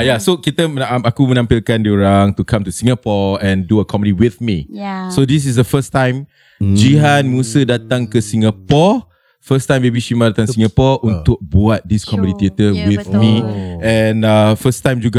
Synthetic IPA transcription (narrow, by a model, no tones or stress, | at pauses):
jasokit̪əməaakumənãmpilkãndioɹaŋt̪ukʰãmt̪usĩŋapɔɛ̃nduəkʰɔ̃mpədiwiθmisodis̬is̬dəfəstãj̃m | d͡ʒiɦãnmusədat̪ãŋkəsĩŋapɔ | fəstãjmbebiʃimadat̪ãŋsĩŋɡapɔʔũnt̪ʊk̚buat̪̚diskɔmədit̪iət̪əwiθmiɛ̃nafəstãj̃md͡ʒuɡa